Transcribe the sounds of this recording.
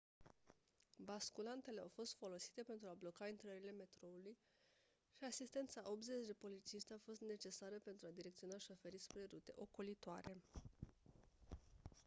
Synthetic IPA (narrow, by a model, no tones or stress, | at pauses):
baskulant̪e̞le̞awfo̞st̪fo̞lo̞si̥t̪e̞pe̞nt̪ɾuablo̞kaint̪ɾəɾile̞me̞t̪ɾo̞uluj | ʃiasist̪e̞nt̪saʔo̞pze̞t͡ʃd̪e̞po̞lit̪t͡ʃiʃt̪eafo̞st̪ne̞t͡ʃe̞saɾəpe̞nt̪ɾuad̪iɾekt̪siunaʃofe̞ɾispɾe̞ɾut̪e̞̰ʔo̞kolit̪oa̰ɾe̞